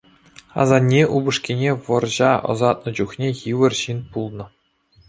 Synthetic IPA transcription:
ɑ̰zɑnʲːeʔubɤ̆ʂkʲenʲeʋɤ̆rʑɑɤ̰̆zɑt̪̚nɤ̆d͡ʑuχnʲejiʋɘ̆rɕinpulˠnɤ̆

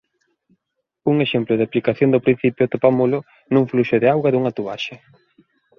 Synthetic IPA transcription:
uŋeʃemplʊðaplikaθjoŋd̪opɾin̟θipjʊt̪opamolʊ | nuŋfluʃʊðɪawɣaðuŋɐt̪uβa̰ʃe

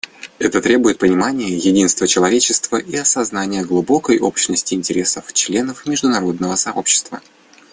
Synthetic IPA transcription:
ɛt̪ət̪ɾʲe̞bʊjɪt̪̚pənʲɪmanʲɪjəjɪdʲinst̪vət͡ɕɪlˠɐvʲet͡ɕɪst̪vəʔiɐsɐznanʲɪjəɡlˠubo̞kəjʔo̞pɕnəsʲtʲɪɪːnʲtʲɪɾʲe̞səft͡ɕlʲe̞nəfmʲɪʐd̪ʊnɐɾo̞d̪nəvəsɐʔo̞pɕːɪ̥st̪və

